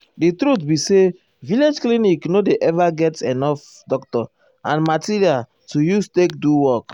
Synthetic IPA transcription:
ditɾutbise | viled͡ʒkliniknodeʔɛvaɡɛtɛnɔf | dɔk̚tɔ | ãnmatiɹial | tujustek̚duwɔk

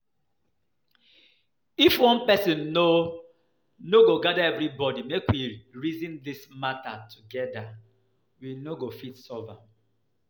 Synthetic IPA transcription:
ifwɔ̃npɛsĩnːo | noɡoɡadaɛvɾibɔdimekwiɹizĩndismatatʰuɡɛda | winoɡofitsɔva

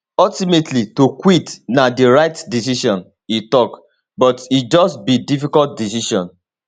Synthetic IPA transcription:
ɔltimetʰlitokwitnadiɹaɪtdisiʃɔ̃n | itɔk | bɔtit̚d͡ʒɔstbidifikɔlt̚dis̬iʃɔ̃n

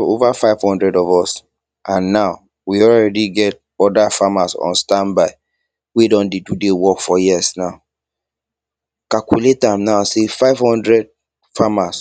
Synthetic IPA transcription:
ovafaɪvhɔ̃ndɹɛdɔvɔs | ʔãnːaʊ | wiɔlɹɛdiɡɛt̚ | ɔdafamasɔ̰̃nstãnbaɪ | wedɔ̃ndedudewɔkfɔjisnaʊ | kalkuletãmnaʊsefaɪv̥hɔ̃ndɹɛd̚ | famas

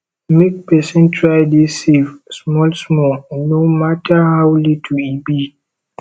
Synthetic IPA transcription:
mek̚pɛsə̃ntʰɹajdisifsmɔlsmɔlnomatʰahawlitʰuibi

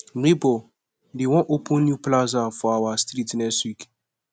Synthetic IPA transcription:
mibo | dewɔ̃ʔopʰũnːjuplazafɔawastɾitnɛswik

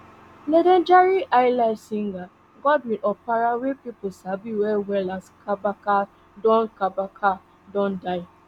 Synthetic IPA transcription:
nedend͡ʒaɾiʔaɪlaɪsiŋ̩ɡa | ɡɔdwinɔpaɾawepipʊsabiwɛwɛlaskʰabaka | dɔ̃n̩kabakʰa | dɔ̃n̩daɪ

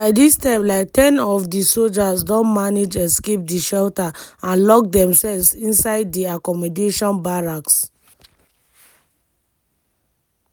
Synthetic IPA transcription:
baɪdistãɪ̃mlaɪk̚tɛ̃nɔfdisold͡ʒasdɔ̃nmaned͡ʒɛskep̚diʃɛltaãnlɔk̚dɛ̃msɛlvsĩnsaɪdːiakɔmɔdeʃɔ̃nbaɹaks

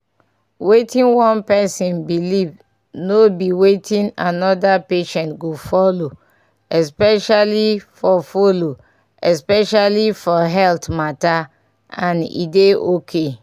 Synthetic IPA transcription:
wetĩnwɔ̃npɛsĩnbiliv | nobiwetʰĩnanɔdapeʃɛ̃ntɡofɔlo | ɛspɛʃalifɔfolo | ɛspɛʃalifɔɦɛltmata | ãnḭdeokʰe

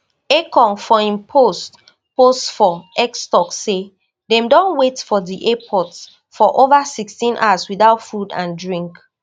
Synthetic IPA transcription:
ekɔ̃nfɔĩmpʰost | postfɔɛkstɔkːe | dɛ̃mdɔ̃nwetfɔdiʔɛpʰɔts | fɔʔovasikstĩnʔa̰swiðaʊtfudã̰ndɹĩŋk

